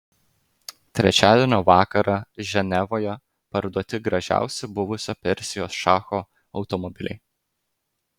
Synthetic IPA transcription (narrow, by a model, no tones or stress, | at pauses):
t̪ʲɾʲɛt͡ʃʲæːd̪ʲenʲoːʋɑːkɐɾɐʒʲɛnʲɛʋoːjɛ | pɐɾd̪uɔt̪ʲɪɡɾɐʒʲæ̰ˑʊsʲɛbʊʋʊsʲoːpʲɛɾʲsʲɪjoːsʃɑːxo | ɒʊt̪ɔmɔbʲɪlʲɛ̰ɪ